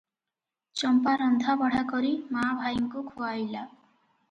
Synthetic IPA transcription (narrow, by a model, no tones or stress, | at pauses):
t͡ʃɔmpaɾɔnd̪ʱabɔɽ̤akɔɾimabʱajɔŋkukʰuajla